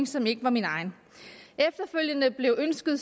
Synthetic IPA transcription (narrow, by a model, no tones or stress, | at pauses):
ŋsɒ̽me̝ɡ̥əʋɑ̈minɑ̈ɪn | efd̥ɐføl̰jənəb̥le̝ʊʔønsɡ̥ð̞̩ˠ